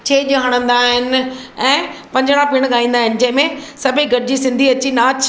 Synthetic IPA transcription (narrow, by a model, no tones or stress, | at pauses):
t͡ɕʰeːʄɦəɽ̃ə̃nd̪aːɦɪnɛ̃ːpɐ̃ɲd͡ʑəɽ̃ãpɪɽ̃ɠaːĩːn̆d̪aːɦɪnɪ̆d͡ʑɐ̃ɦɪ̃mẽsɐbʱiɡʱɐʈɪd͡ʑisɪ̃nd̪ʱiɐt͡ɕinaːt͡ɕ